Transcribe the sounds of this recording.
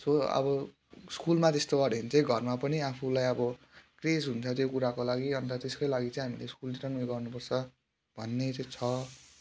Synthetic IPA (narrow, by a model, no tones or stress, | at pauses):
soʌ̰bʌ | skulmat̪est̪oʌɾent͡sʌj̃ɡʱʌrmapʌniapʰulajʌbʌ | kresɦunt͡sʰʌt̪jokuɾakolaɡiʌnt̪at̪eskojlaɡit͡sʌĩɦamileskulniʈʌnujɡʌrnupʌrt͡sʰʌ | b̥ʱʌnːet͡sʌ̃t͡sʰʌ